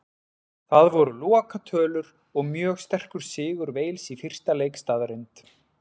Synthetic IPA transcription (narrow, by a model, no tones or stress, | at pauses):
θaðvɔɾʏlɔːakat̪ʰœːlʏɾ | ɔɣmjœːɣst̪ɛr̥kʏɾ̥sɪːɣʏɾveːjlsifɪr̥t̪alejkst̪aːðɾɪjnt̪